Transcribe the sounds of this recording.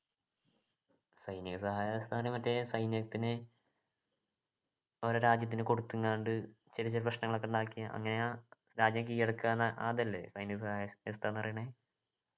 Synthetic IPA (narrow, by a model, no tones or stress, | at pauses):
sɐjniɣɐsɐhaːjɐjest̪ʰaɐrjɐmɐtːesɐjnjɐɣɐt̪ːinɨ | oɾuɾaːd͡ʑjɐt̪̬ːinɨko̞ɽut̪ːuŋːaːɳɖɨ | t͡ɕeɾit͡ɕːoɾprɐɕnɐŋːɐɭo̞kːeuɳɖaːkːijaʔɐ̰ŋːɐne̞a | ɾaːd͡ʑjɐmkijːɐɽɐkːaːnːɐʔa̰ːðɐlːḛsɐjniɣɐsɐhaːjɐest̪ʰaːnːɐrijɳɐe